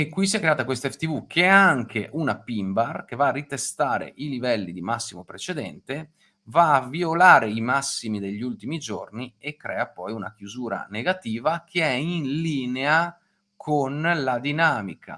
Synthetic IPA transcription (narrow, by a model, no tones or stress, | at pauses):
ekːwisiɛkːɾeaːt̪akwest̪aɛfe̥t̪ivukʰeaŋkʰeʔunapimbarkevaːrit̪est̪aːɾḛʔilivɛlːid̪imasːimopɾet͡ʃed̪ɛ̰nt̪e | vaːviolaːɾeimasːimid̪eʎːult̪imid͡ʒorniekːɾɛːapɔjuna̰k̟juzuːɾa̰neɡat̪iːvakʰeɛinliːnea | kʰonlad̪inaːmikʰa̰